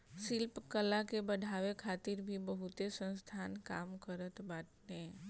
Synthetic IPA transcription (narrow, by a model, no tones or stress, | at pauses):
sɪlpkəlakebəɖʱaːʋekʰaːt̪ɪɾbʱibəɦʊt̪esə̃nst̪ʰaːnka̰ːmkəɾət̪baːʈnẽ